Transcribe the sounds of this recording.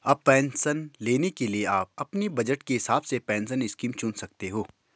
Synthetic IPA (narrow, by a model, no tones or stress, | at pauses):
ɐbpɛːnsənleːnekelieaːp̚ɐpnibɐd͡ʒəʈkeɦɪsaːbsepɛ̃ːnsənɪskiːmt͡ʃʊnsɐk̚t̪eɦoː